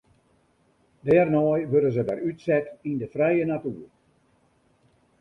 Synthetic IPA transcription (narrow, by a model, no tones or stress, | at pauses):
dɛːrnɔjʋøɾənzədɛrytsɛtindəfrɛjənatyːər